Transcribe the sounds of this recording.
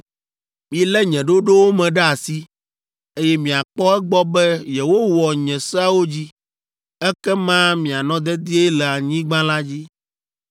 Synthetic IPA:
mĩ˨lɛ˦ɲɛ̃˨ɖo˦ɖo˦wo˦mɛ̃˨ɖɛ˦a˨si˦ | e˦jɛ˦mĩ˨a˨k͡pɔ˦ɛ˦ɡ͡bɔ˦bɛ˦jɛ˨wo˦wɔ˨ɲɛ̃˨sa˦wo˦d͡ʑi˦ | ɛ˦kɛ˦mã˦mĩ˨a˨nɔ̃˦d̪ɛ˦d̪i˦e˦lɛ˨a˨ɲĩ˦ɡ͡bã˦la˦d͡ʑi˦

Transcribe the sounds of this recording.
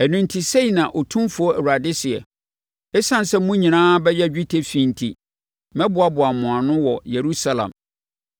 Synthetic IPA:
æ˨nũ˨n̩˦tʰi˨se˦i˨nã˨ʔɔ˨tʰũ˦mfʊ˨˦ɔ˦æ˨wɾa˨dɪ˦sɪ˨ɛ̰˨ | ɛ˦sã˦n̩˨sɛ˦mũ˦ɲĩ˨nãː˦bɛ˦jɛ˦d͡ʑᶣi˦tʰe˦fĩ˨n̩˨tʰḭ˨ | mɛ̃˦bʊ˨˦a˦bʊ˨a˨mʊ̃˨a˨nʊ̃˦wɔ˨je˨ɾu˦sa˦lã̰˨m

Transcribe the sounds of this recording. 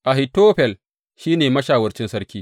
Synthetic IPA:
ʔa˨ɦɪ˨toː˦ɸɛ˨l | ʃiː˦neː˨mɐ˦ʃaː˨wɐ˦rt͡ʃɪ˦nsɐ˦ɾkʲiː˦

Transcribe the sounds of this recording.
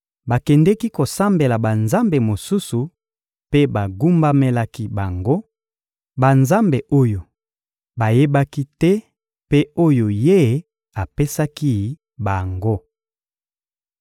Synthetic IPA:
ba˨kɛ˨ndɛ˦ki˦ko˨sa˦mbe˨la˨ba˨nza˦mbe˨mo˨su˦su˨ | pe˦ba˨ɡu˦mba˦me˦la˦ki˦ba˨ŋɡo˦ | ba˨nza˦mbe˨ʔo˦jo˨ | ba˨je˦ba˦ki˦tɛ˦ | pe˦o˦jo˨je˦ | a˨pe˦sa˦ki˦˨ | ba˨ŋɡo˦

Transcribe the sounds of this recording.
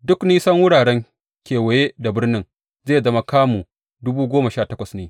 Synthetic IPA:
dʊ˦kniː˦sɐ˦ŋwʊ˦ɽaː˨ɽɛ˦ŋ | kʲeː˨wɐ˨jeː˦da˨bɪ˦rnɪ˦ŋ | zeː˦˨zɐ˦ma˦kaː˦mu˨ | dʊ˦buː˦ɡʷoː˦mɐ˨ʃaː˦˨tɐ˦kʷɐ˨sneː˨

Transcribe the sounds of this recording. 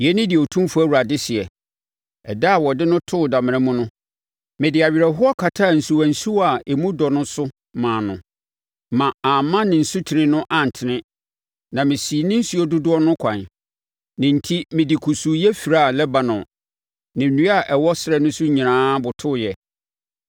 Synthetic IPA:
jɛ˨˦nɪ̃˦dɪ˨o˨tʰũ˦mfu˦æ˦˨wu˨ɾa˨dɪ˦sɪ˨ɛ˨ | ɛ˨da˦a˨wɔ˨dɪ˦nʊ̃˦tʰʊ˦˨da˨mɪ̃˨ɾã˦mũ˦nʊ̃˦ | mɪ̃˨dɪ˨a˨ɥi˨ɾɛ˨ɦʊ˦ɔ˦kʰa˨tʰa˦˨n̩˨su˨wæ̃˨n̩˨su˦a˨e˨mũ˦dɔ˨nʊ̃˦sʊ˦ | mãː˨nʊ̃˨ | mã˨a˨mã˦nɪ̃˨n̩˨su˦tʰi˨ɪ̃˦nʊ̃˦ʔa˨n̩˨tʰɪ˨nɪ̃˦ | nã˨mɪ̃˨si˨nɪ̃˦n̩˦su˦ɔ˦dʊ˦dʊ˦ɔ˦nʊ̃˦kʷʰã˨n | nɪ̃˨n̩˨tʰi˦mɪ̃˨di˨kʰu˨su˨jɛ˦fi˨ɾa˦˨lɛ˦ba˨nʊ̃˨ | nɪ̃˨nũ˦a˨ʔɛ˨wɔ˦sɪɾɛ˦nʊ̃˦sʊ˦ɲĩ˨nãː˦bʊ˨tʰʊ˦˨jɛ˨

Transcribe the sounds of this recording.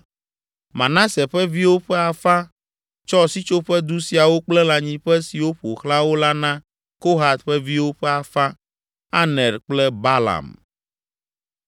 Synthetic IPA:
mã̰˨nã˦sɛ˨ɸɛ˦vi˦wo˦ɸɛ˦a˨fa˦ | t͡ʃɔ˦si˦t͡ʃo˦ɸɛ˦d̪u˦si˨a˨wo˦k͡plɛ˦lã˨ɲĩ˦ɸɛ˦si˨wo˦ɸo˨xla˦wo˦la˦nã˦ | ko˦ɦa˨t̪̚ɸɛ˦vi˦wo˦ɸɛ˦a˨fa˦ | a˦nɛ˨ɾk͡plɛ˦ba˦la̰˨m

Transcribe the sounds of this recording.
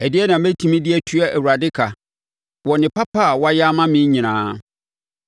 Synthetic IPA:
ɛ˨dɪ˦ɛ˦nã˨mæ˦tʰĩ˨˦mĩ˦dɪ˦ɛ˦tʰu˦a˦ʔæ˨wu˨ɾa˨dɪ˦kʰa˨ | wɔ˨nɪ̃˨pa˦pa˦˨wɔ˦a˦ja˦mã˦mɪ̃˦ɲĩ˨nãː˦

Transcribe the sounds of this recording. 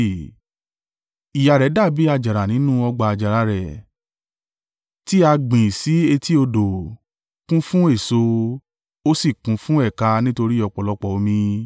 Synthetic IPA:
i˨ja˨ɾɛ˨˦da˦˨bi˨˦a˧˨d͡ʒa˨ɾa˨nĩ˨˦nũ˦ɔ˧ɡ͡ba˧a˧˨d͡ʒa˨ɾa˧ɾɛ˨ | ti˦a˧ɡ͡bĩ˨si˨˦e˧ti˦o˧do˨ | kũ˦fũ˦e˦˨so˧ | o˦si˦˨kũ˨˦fũ˦ɛ˦˨ka˧nĩ˦to˧ɾi˦ɔ˧˨k͡pɔ˨lɔ˧˦k͡pɔ˨o˧mĩ˧

